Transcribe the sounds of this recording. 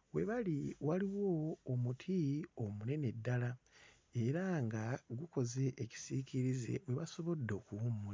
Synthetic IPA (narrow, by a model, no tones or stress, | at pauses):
we̞̰βaliwaliwo̞ːmutʰio̞mune̞ne̞dːala | e̞ɾaŋɡaɡuko̞ze̞ʔːci̥sicʰiɾize̞̰we̞βaso̞βo̞dːo̞ːkuwumːula